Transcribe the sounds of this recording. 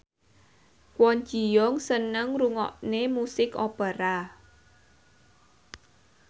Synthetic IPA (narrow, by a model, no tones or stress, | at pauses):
kwɔnd͡ʒi̤jɔŋsənəŋruŋɔ̰ʔnemusɪkopaɾa